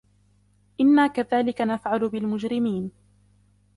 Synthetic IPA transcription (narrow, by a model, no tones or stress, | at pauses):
ʔɪnːaːkaðaːlɪkanafʕalʊbɪlmʊd͡ʒɾɪmiːn